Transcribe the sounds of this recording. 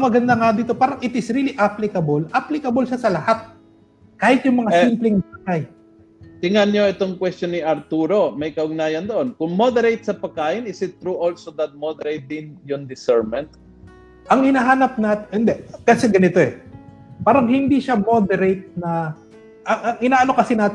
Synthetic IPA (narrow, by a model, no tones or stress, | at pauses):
mɐɡɐnd̪aŋad̪iːt̪o̞paːɾɐŋʔɪt̪ɪsɾiːliʔaplɪkɐbolʔaplɪkɐbolʃasɐlɐhat̪̚ | kaːhɪt̪̚jʊŋmɐŋasimplɪŋbaɡaj | t̪ɪŋɐnjo̞ɛt̪oŋkwɛst̪t͡ʃjonɪʔɐɾt̪uːɾo̞mɐjkɐʔʊɡ̚naːjɐnd̪oʔonkʊŋmod̪ɛɾejt̪̚sɐpɐɡ̚kaːʔɪnɪsɪt̪ːɾuʔolsod̪ɐt̪̚mod̪ɛɾejt̪̚d̪ɪnjʊŋd̪ɪsɛɹmɛnt̪̚ | ʔɐŋhɪnaːɦaːnɐp̚naːt̪ʔɪnd̪ɛkɐsɛɡɐnɪt̪o̞ɛ | paːɾɐŋhɪnd̪iʃamo̞d̪ɛɾejt̪̚nɐ | ʔɐŋʔɐŋɪnaːʔɐno̞kɐsɪnaːt̪